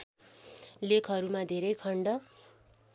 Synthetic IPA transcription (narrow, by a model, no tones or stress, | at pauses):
lekʰʌɾumad̪ʱeɾʌjkʰʌɳɖʌ